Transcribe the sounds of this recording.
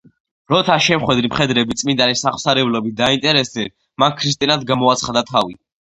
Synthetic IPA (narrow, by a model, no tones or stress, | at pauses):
ɾɔt̪ʰaʃɛmχwɛd̪ɾimχɛd̪ɾɛbit̪sʼmind̪anɛsaχw̥saɾɛblɔbit̪̚ʰd̪aint̪ʼɛɾɛsd̪ɛn | mankʰɾis̬t̪ʼinad̪ɡamɔat̪sʰχad̪at̪ʰavi